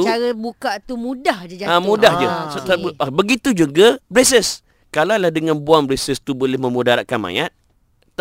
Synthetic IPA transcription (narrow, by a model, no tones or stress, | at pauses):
ut͡ʃaɾəbukaʔt̪umũdahd͡ʒəd͡ʒaamũdahd͡ʒəsabəɡit̪ud͡ʒuɡabɾesəs | kalalahdəŋãnbuaŋbɾesəst̪ubolɪhmə̃mudaɾaʔkanmã̰jat̪̚ː